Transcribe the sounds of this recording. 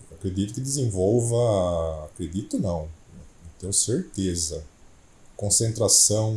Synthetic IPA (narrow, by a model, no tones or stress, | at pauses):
akɾed̪it̪ʊkɪd̪ɪzẽvowvɐakɾed̪it̪ʊnɐ̃w̃nɛnẽt̪ẽj̃ʊseɾt̪ezɐ | kõsẽnt̪ɾasɐ̃w̃